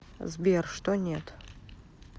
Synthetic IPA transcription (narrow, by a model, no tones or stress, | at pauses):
zbʲeɛrʂt̪onʲet̪ʰ